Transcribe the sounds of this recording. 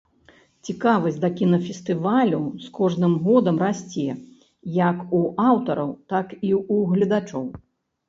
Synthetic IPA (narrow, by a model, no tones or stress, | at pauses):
t͡sʲikavɐzʲd̪ɐkʲinɐfʲɛst̪ɨvalʲuskɔʐnɨmɣɔd̪ɐmrasʲt͡sʲɛ | jɐkuʔawt̪ɐɾɐwt̪akiuɣlʲɐd̪at͡ʂɔw